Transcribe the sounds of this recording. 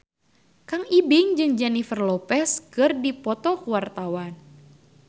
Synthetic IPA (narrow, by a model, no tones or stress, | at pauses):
kaŋibɪŋd͡ʒɨŋd͡ʒɛnifərlɔpɛskɨrdipɔt̪ɔkuwart̪awan